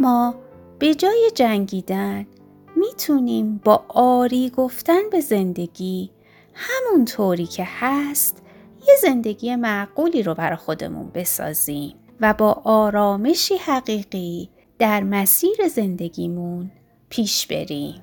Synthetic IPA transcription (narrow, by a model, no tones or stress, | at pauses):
mɒː | b̥e̞d͡ʒɒːje̞d͡ʒæŋɟiːd̪æn | miːt̪ʰuniːmb̥ɒːʔɒːɾiːɡo̞ft̪ænbe̞ze̞nd̪e̞ɡiː | hæmunt̪ʰoːɾiːcʰe̞hæst̪ | je̞ze̞nd̪e̞ɡiːje̞mæʔɡ̥uːliːɾobæɾɒxo̞d̪e̞̰mṵnbe̞sɒ̰ːz̥iːm | væbɒːʔɒːɾɒːme̞ʃiːhæɣiːɣi | d̪̥æɾmæsiːɾe̞ze̞nd̪e̞ɡiːmun | pʰiːʃb̥e̞̰ɾiːmm